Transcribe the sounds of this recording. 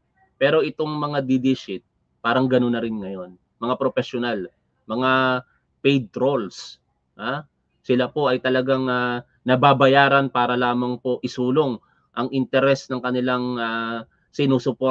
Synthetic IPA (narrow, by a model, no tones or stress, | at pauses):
pɛːɾo̞ʔɪt̪o̞ŋmɐŋad̪id̪iʃɪt̪̚ | paːɾɐŋɡɐno̞nːɐɾɪnŋɐjo̞n | mɐŋapɾofɛʃonal | mɐŋa | pɛjd̪̚t̪ɾo̞ls | ʔa | sɪlapo̞ʔɐjt̪ɐlɐɡaŋa | nɐbaːbɐjaːɾɐnpaːɾɐlaːmɐŋpo̞ʔɪsuːlo̞ŋ | ʔɐŋʔɪnt̪ɛɾɛsnɐŋkɐnɪlaŋa | sɪnuːsʊpo